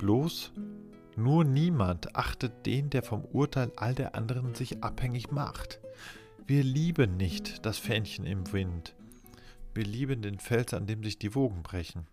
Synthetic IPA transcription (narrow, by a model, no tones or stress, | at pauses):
b̥loːs | nuːɐniːmantʔa̰χtət̚d̥eːndeːɐfɔmʔuːɐtʰaɪlʔa̰ldeːɐʔa̰ndəʁ̞ənzɪçʔa̰phɛŋɪçma̰χt | v̥iːɐliːbənːɪçtd̥asfɛnçənɪ̰mvɪnt | v̥iːɐliːbəndeːnfɛlsa̰ndeːmzɪçd̥iːvoːɡŋ̩bʁɛçn̩